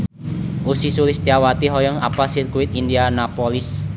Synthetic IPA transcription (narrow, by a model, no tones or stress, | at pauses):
ʔusisulɪsd̪̥iawat̪iɦɔjɔŋa̰pasɪrkuwɪt̪indianapɔlɪs